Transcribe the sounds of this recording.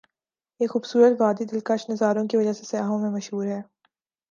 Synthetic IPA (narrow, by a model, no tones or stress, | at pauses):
jeːxuːbsuːɾət̪ʋaːd̪id̪ɪlkɐʃnɐzaːɾõkiʋɐd͡ʒasesɐjaːɦõmẽmɐʃɦuːɾɦɛː